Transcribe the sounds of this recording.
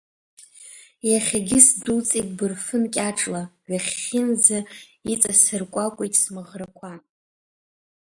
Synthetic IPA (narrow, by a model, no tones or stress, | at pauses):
jaχʲaɡʲɪsdut͡sʼikʼbɨrfɨnkʲʼaʈ͡ʂʼlaɥaχʲːɪnzait͡sʼasɨrkʷʼakʷʼejtʼsmɨʁrakʷʰa